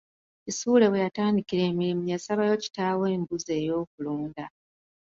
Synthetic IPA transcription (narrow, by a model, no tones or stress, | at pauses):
isuːle̞we̞jataːndikiɾe̞ːmiɾimujasaβajo̞ːci̥taːwe̞ːmbuze̞ːjo̞ːk̚uluːnda